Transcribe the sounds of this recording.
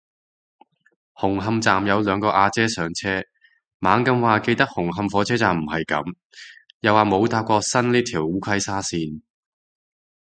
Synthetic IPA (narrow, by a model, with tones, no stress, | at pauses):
hʊ˨˩ŋɦɐ˧mt͡saː˨mjɐ˨˧wlœː˨˧ŋkɔː˧ʔaː˧t͡sɛː˥sœː˨˧ŋt͡sʰɛː˥ | maː˨˥ŋkɐ˧mwaː˨ke˧jt̪ɐ˥k̚hʊ˨˩ŋɦɐ˧mfɔː˨˥t͡sʰɛː˥t͡saː˨˩m̩˨˩hɐ˨jkɐ̰˨˧˥m | jaː˨waː˨mo˨˧wt̪aː˧p̚kʷɔː˧sɐ˥nliː˥t̪ʰiː˨˩wuː˨˥kʷʰɐ˥jsaː˥siː˧n